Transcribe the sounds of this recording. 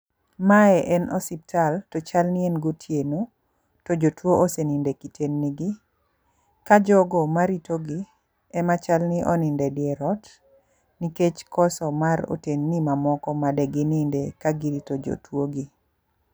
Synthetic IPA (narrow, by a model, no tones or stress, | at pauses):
maɛʔɛnɔsip̚taltot͡ʃalnɪenɡotʰjeno | tod͡ʒotwoʔosenindekitʰenːiɡi | kad͡ʒɔɡɔmaɾitoɡi | ɛmat͡ʃalnɪʔɔ̰nɪndɛdɪɛɾɔt | niket͡ʃkɔsɔmaɾo̰tenːimamɔkɔmadɛɡɪnɪndekaɡiɾitod͡ʒo̰twoɡi